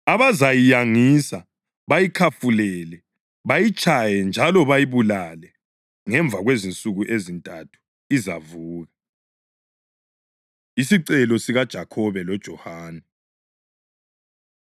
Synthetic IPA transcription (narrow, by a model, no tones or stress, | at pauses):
aβazajijaŋisa | βajikʰafulɛlɛ | βajit͡ʃʰʼajɛnd͡ʒʱalɔβajiβulalɛ | ŋɛɱb̪vʱaɣwezint͡sʼuɣuʔezintʼatʰu̥ | iza̰vuːɣa | isiǀɛlɔsiɣad̥ʒ̥ʱakʰɔβɛlɔd̥ʒ̥ʱɔhaːnɛ